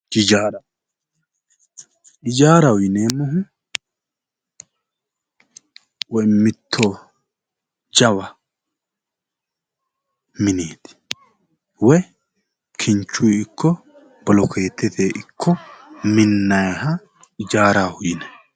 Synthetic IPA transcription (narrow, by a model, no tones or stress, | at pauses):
d͡ʒɪd͡ʒaːɾɐ | ʔɪd͡ʒaːɾɐwʊjneːmːɔɦʊ | wɔjmɪt̪ʰːoː | d͡ʒɐwɐ | mɪneːt̪ɪ̥ | wɔj | kʰɪnt͡ʃːʊjɪkʰːɔ | b̥ɔlɔkʰe̞ːt̪ʰːɛt̪ʰeːʔɪkʰːɔmɪnːɐjɦɐ | ɪd͡ʒaːɾaːhʊjɪnɛ